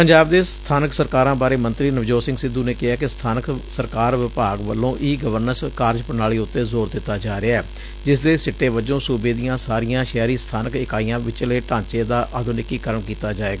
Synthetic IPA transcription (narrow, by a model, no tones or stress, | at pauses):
pəɲd͡ʒaːbd̪eːst̪ʰaːnəksəɾkaːɾãːbaːɾeːmənt̪ɾiːnəʋd͡ʒoːsɪ̃ŋɡsɪd̪uːneːkɪɦaːkɪst̪ʰaːnəksəɾkaːɾʋɪpaːɡʋəlːõːʔiːɡəʋəɾnəɾskaːɾd͡ʒpənaːɭiːʊt̪ːeːzoːɾd̪ɪt̪ːaːd͡ʒaːɾeaɛː | d͡ʒɪs̬d̪eːsɪʈːeːʋəd͡ʒõːsuːbeːd̪ijãːsaːɾijãːʃɛːɾiːst̪ʰaːnəkɪkaːiːãːʋɪt͡ʃleːʈãːt͡ʃeːd̪aːʔəd̪ʊnɪkiːkəɾəɳkiːt̪aːd͡ʒaːeːɡaː